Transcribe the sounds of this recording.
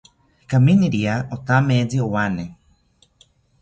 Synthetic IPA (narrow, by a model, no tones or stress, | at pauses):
kaminiɾiaʔot̪amed͡ziowane